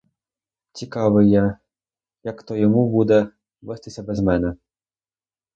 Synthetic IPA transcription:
t͡sʲikɑʋɪja | jɐkt̪ɔjɔmubud̪ɛ | ʋɛst̪ɪsʲɐbɛzmɛnɛ

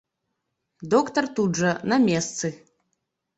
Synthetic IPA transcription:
d̪ɔkt̪ɐrt̪udʐɐnɐmʲɛst̪sɨ

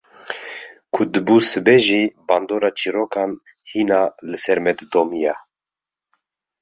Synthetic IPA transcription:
kʰʊd̪ɨbuːsɨbɛʒiːbɑːnd̪oːɾɑːt͡ʃʰiɾokʰɑn | hiːnɑːlɨsɛɾmɛd̪d̪oːmijɑ

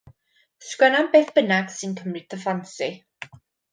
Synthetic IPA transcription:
skwɛnambɛθb̥ənaɡ̥sɪnkʰəmɾɪt̪əfansi

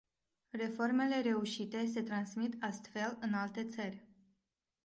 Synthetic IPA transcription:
re̞fo̞rme̞le̞ɾe̞uʃit̪e̞s̬e̞t̪ɾansmit̪ast̪fe̞lɨnalt̪e̞t̪sərʲ

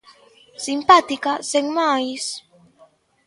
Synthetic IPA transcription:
simpat̪ikaseŋmajs

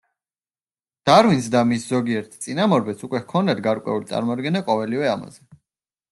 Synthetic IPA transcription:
d̪̥aɾwinsd̪amiszɔɡiɛɾt̪ʰt̪sʼinamɔɾbɛsukʼwɛhkʰɔnd̪at̪ɡaɾkʼwɛ̰ulit̪sʼa̰ɾmɔd̪̚ɡɛnaqʼɔvɛlivɛama̰zɛ

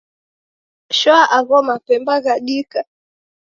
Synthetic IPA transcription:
ʃɔaʔaɣɔmapɛmbaɣaɗika

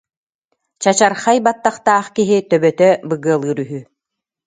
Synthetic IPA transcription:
t͡ɕat͡ɕaɾχajbat̪ːaχt̪aːχkiɦit̪œbœt̪œbɯɡɯɐlˠɯːɾyɦy

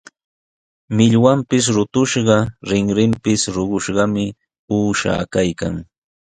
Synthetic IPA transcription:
mɪʎwampɪs̬ɾʊt̪ʊʃɢɑɾɪŋɾɪmpɪsɾoɢʊʃɢɑmɪ | uːʃa̰ːkajka̰ŋ

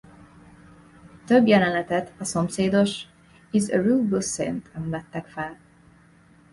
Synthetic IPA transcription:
t̪øbjɛlɛnɛt̪ɛt̪ʰɒso̞mseːd̪o̞ʃ | izəruːbusḛnt̪ʰɛmvɛt̪ːɛkfɛl

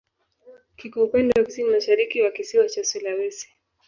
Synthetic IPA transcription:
kikuːpɛndɛwakisimmaʃaɾikiwakisiwat͡ʃasɛlawɛsi̥

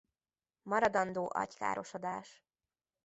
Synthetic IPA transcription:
mɒɾɒd̪ɒnd̪oːʔɒ̰cka̰ːɾo̞ʃod̪aːʃ

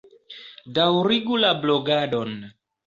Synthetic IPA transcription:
dawɾiɡulabloɡadon

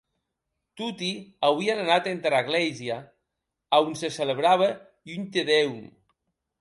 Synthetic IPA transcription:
t̪ut̪iawiananat̪ent̪ɾaɣlɛzia | aunsesələβɾaβə | unt̪eðɛwm

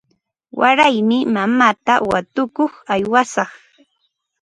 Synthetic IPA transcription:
waɾajmɪmamaːt̪awat̪ʊkoχajwasɑχ

